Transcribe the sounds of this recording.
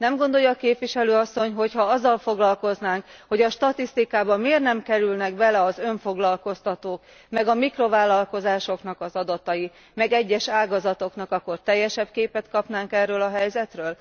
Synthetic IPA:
nɛmɡo̞nd̪o̞jːɒːkeːpʋiʃɛløːɒsːo̞ɲɦo̞chɒɒzːɒlfo̞ɡlɒlko̞znaːŋkho̞ɟɒʃt̪ɒt̪ist̪ikaːbɒmeːrnɛmkɛɾylnɛɡbɛlɛɒzø̞ɱfo̞ɡlɒlko̞st̪ɒt̪oːk | mɛɡɒmikro̞vaːlɒlko̞zaːʃo̞knɒkɒzɒd̪ɒt̪ɒji | mɛɡɛɟːɛʃaːɡɒzɒt̪o̞knɒkɒkːo̞rt̪ɛjːɛʃɛb̚keːpɛt̪kɒpnaːŋkɛrːøːlɒɦɛjzɛt̪røːl

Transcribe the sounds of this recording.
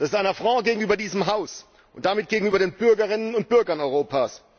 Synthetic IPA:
d̥asɪstʔaɪnɐfʁ̥ɔ̃ʊɡeːɡŋ̩yːbɐdiːzəmɦaʊs | ʔʊntd̥amɪt̚ɡ̥eːɡŋ̩yːbɐɾeːnb̥ʏɐɡɐʁɪnənʊnt̚b̥ʏɐɡɐnɔʏʁoːpʰaːs

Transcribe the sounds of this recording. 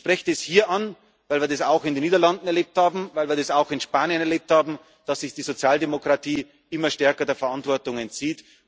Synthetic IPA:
ʃpʁ̥ɛçtɛshiːɐʔan | vaɪlviːɐdɛsaʊxɪndenːiːdɐlandn̩ɛɐleːp̚thaːbm̩vaɪlviːɐdɛsaʊxɪnʃpaːnjənɛɐleːp̚thaːbm̩ | d̥asːɪçd̥iːzot͡sjaːldemokʁ̥atʰiː | ʔɪmɐʃtɛɐkɐdeːɐfɐʔantv̥ɔɐtʊŋɛntt͡siːt

